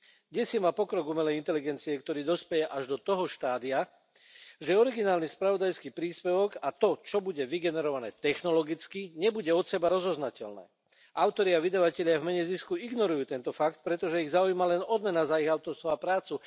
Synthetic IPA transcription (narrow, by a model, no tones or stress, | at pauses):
ɡɟɛsimaːpɔkɾɔɡumɛlɛjint̪ɛliɡɛnt͡siɛkt̪ɔɾiːd̪ɔspɛjɛʔaʒd̪ɔt̪ɔɦɔʃt̪aːd̪ia | ʒɛɛɔɾiɡinaːlnispɾaʋɔd̪ajskiːpɾiːspɛʋɔɡat̪ɔt͡ʃɔbuɟɛʋiɡɛnɛɾɔʋanɛːt̪ɛxnɔlɔɡit͡skiɲɛbuɟɛɔt̪sɛbaɾɔzɔznacɛ̰lnɛ̰ː | ʔaʊt̪ɔɾiaʋid̪aʋacɛʎɪavmɛɲɛziskuiɡnɔɾujuːt̪ɛnt̪ɔfak̚t̪̚pɾɛt̪ɔʒɛiɣzaujmalɛnɔd̪mɛnazaiɣaʊt̪ɔɾst̪ʋaapɾaːt͡su